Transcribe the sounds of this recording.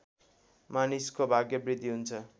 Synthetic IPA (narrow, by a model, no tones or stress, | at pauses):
maniskobʱaɡjʌbrid̪ʱiɦunt͡sʰʌ